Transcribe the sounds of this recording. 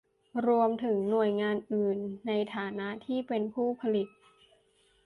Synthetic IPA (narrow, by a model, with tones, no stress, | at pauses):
ɾu˧əmt̪ʰɯ˩˦ŋnu˨˩əjŋaː˧nʔɯː˨˩nːa˧jt̪ʰaː˩˦na˦˥ʔt̪ʰiː˥˩pe˧npʰuː˥˩pʰa˧li˨˩t̪̚